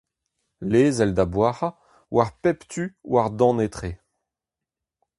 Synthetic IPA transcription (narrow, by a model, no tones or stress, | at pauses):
leːzɛld̪abwaʁa | waʁpɛpt̪ʰywaʁd̪ɑ̃net̪χe